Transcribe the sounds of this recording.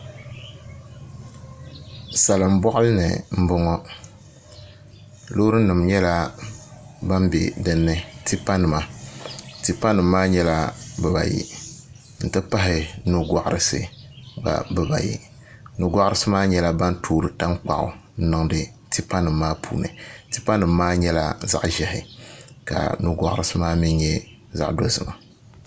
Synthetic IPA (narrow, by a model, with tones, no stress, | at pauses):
sa˨lɨ˨m̩˦bɔ˦ʔʊ˦lɨ˦nɨ̰˨m̩˦bɨ˦ŋɔ˦ | lo˦ɾɨ˦nɨ˨mɲɛ˦la˦ | ba˦mbɛ̰˨dɨ˦nːɨ˦ti˦pa˦nɨ˨ma˨ | ti˨pa˦nɨ˨mːaː˦ɲɛ˦la˦bɨ˨ba̰˨jḭ˨ | n̩˨tɨ˦pa˦ɦɪ˨nu˦ɡa˨ʔɾɨ˨sɨ̰˦ba̰˨bɨ˦ba̰˨jḭ˨ | nu˨ɡʷa˦ʔʊ˦ɾɨ˦sɨ˦maː˦ɲɛ˦la˦ba˦ntʰoː˦˨ɾɨ˨ta˦ŋk͡pa̰˨ʔʊ̰˨n̩˦nɨ˦ŋdɨ˦ | ti˦pa˦nɨ˨m̩ːaː˦pʰṵː˦˨nɨ̰˨ti˦pa˦nɨ˨mːaː˦ɲɛ˦la̰˦za̰˦ʔʒɛ˨hɪ˨ka̰˨nu˦ɡʷa̰˨ʔɾɨ˨sɨ˦maː˦mi˦ɲ˦ɲɛ˦ | za̰˦ʔdo˦zɨ˨ma˨